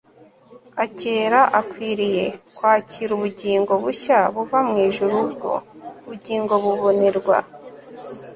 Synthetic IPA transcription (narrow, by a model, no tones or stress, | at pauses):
aceːɾaʔakwiːɾije̞kwaːcʰiɾuβuɟiːŋɡo̞βuçaβuvamŋeːʒuɾubɡo̞̰uβuɟiːŋɡo̞βuβoniɾɡwa̰